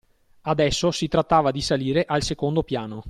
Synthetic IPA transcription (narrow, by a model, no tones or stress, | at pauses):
ad̪ɛsːosit̪ɾat̪ːaːvad̪isaliːɾeʔalsekond̪opjaːno